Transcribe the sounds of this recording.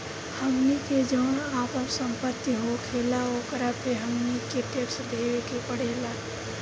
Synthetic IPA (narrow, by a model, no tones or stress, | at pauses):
həmniked͡ʒəːɽ̃aːpəɾsə̃mpət̪iɦokʰeːlaoːkəɾapʰeɦəmnikeʈeksd̪eːʋekepəɽ̤eːlaː